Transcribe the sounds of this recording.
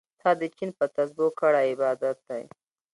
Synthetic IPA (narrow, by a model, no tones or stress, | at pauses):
t̪ʰɑd̪ət͡ʃinpət̪azbokaɽaɪbɑd̪at̪̚d̪aj